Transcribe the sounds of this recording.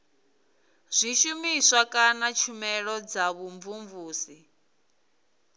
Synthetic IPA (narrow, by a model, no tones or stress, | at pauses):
z̥ʷiʃumisakʼanat͡ʃʰumɛɺɔd͡zaβuɱvuɱvuːsi